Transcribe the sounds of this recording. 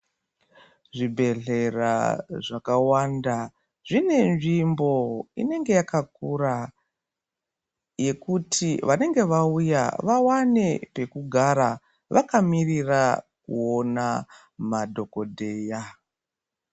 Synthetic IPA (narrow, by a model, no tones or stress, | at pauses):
ʐibʱe̞ɮe̞ra̰ʐakawanda | ʐine̞nʐimbo̞ḭne̞ŋɡe̞jakakura | je̞kutʰiʋane̞ŋɡe̞ʋauja̰ʋawane̞pe̞kuɡʱaɾa | ʋʔakamirirakuo̞na | madʱo̞ko̞dʱe̞ːja